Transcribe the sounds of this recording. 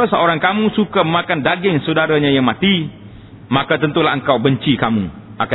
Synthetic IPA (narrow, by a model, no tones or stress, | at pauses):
səoɾaŋkamũsukaməmãkandaɡɪŋsudaɾaɲajaŋmat̪i | makat̪ənt̪ulaɦəŋkawbəɲt͡ʃikamṵ | ʔaka